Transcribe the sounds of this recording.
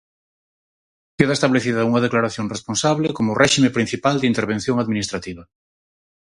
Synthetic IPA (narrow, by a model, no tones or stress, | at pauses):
keðaest̪aβleθiðauŋɐð̞eklaɾaθjonresponsaβlekomʊrʔɛʃimepɾin̟θipald̪int̪eɾβ̞ẽn̟θjoŋaðmĩnist̪ɾat̪iβɐ